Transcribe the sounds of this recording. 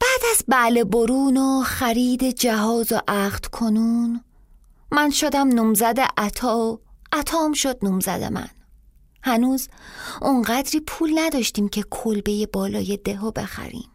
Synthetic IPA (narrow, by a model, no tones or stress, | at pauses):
b̥æːd̪æzbæʔle̞boɾuːnoχæɾiːd̪ed͡ʒæɦɒːzoʔæχd̪̥kʰonuːn | mænʃod̪æmnuːmzæd̪ḛʔæt̪ʰɒːæt̪ʰɒːmʃod̪̥̚nuːmzæ̰d̪ḛmæ̰n | hænuːzʔoŋɢæd̪ɾiːpʰuːlnæd̪ɒːʃt̪iːmcʰe̞kʰolbe̞je̞bɒːlɒːje̞d̪eɦobe̞̰xæ̰ɾḭːm